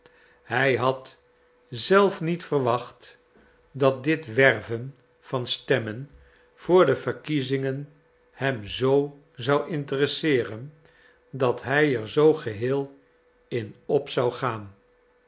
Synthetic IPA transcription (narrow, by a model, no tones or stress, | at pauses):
hɛjɦɑt | zɛlˠfnitfərʋɑχt | dɑt̚dɪtʋɛrvən | v̥ɑnstɛmən | v̥ʊːɹdəv̥əɹkizɪŋən | hɛmzow | zɑwʔɪntərəsɪːrən | dɑtɦɛjɛɹzowχəɦɪːlˠ | ɪnɔpsɑwχaːn